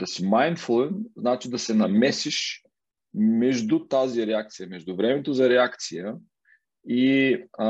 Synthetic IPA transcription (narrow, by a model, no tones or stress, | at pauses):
d̪ɐsimajnt̪fulˠɛnznat͡ʃid̪ɐsɛnɐmɛsiʃ | mɛʒd̪ʊt̪aziɾɛak̚t̪sijəmɛʒd̪ʊvɾɛmɛt̪ozɐɾɛakt̪sijə | i